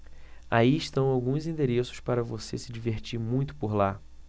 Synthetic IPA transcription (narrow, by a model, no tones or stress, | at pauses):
aiɪʃt̪ɐ̃w̃awɡũzĩnd̪eɾesʊ̥spaɾɐvosesɪd͡ʒiveɾt͡ʃiɾmũj̃t̪ʊ̥poɾla